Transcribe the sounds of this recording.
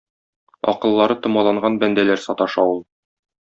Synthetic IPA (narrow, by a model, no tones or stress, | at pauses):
ɒ̰qɤ̆lˠːɑɾɤt̪ŏmɑlˠɑɴɢɑnbænd̪ælæɾsɒt̪ɑʃɑwɤlˠ